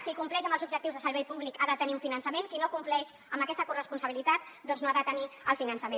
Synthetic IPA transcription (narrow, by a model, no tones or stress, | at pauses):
kikumplɛʃəmbəlzub̚ʒək̚t̪iuwzðəsəɾβ̞ɛjpuβlikaðət̪əniuɱfinənsəmeŋkinokumplɛʃ | əmbəkɛst̪əkurəspunsəβilit̪at̪̚ | d̪ɔnznoaðət̪əniəlˠfinənsəmẽn